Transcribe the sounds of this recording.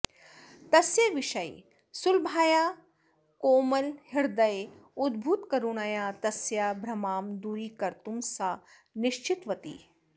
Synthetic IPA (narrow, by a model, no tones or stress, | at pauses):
t̪ɐsjɐʋɪʃɐj | sʊlbʱaːjaː | koːmɐlhɪɾd̪ɐj | ʊd̪bʱut̪kɐɾuɽ̃aːjaːt̪ɐsjabʱɾɐmaːmd̪uːɾiːkɐɾt̪umsa | nɪʃt͡ʃɪt̪ʋɐt̪ḭː